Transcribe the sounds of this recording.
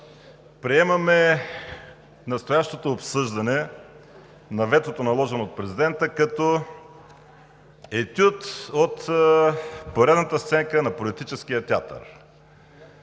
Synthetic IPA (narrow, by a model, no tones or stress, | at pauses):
pɾiɛmɐmɛ | nɐst̪ojaʃt̪ot̪oːpsɤʒd̪ɐnɛ | nɐvɛt̪ot̪onɐlˠɔʒɛnoot̪̚pɾɛzid̪ɛnt̪əkɐt̪o | ɛt̪ʲut̪ot̪ | poɾɛd̪nət̪əst̪sɛŋkənɐpolit̪it͡ʃɛsk̟ijət̪ʲat̪ə̰ɾ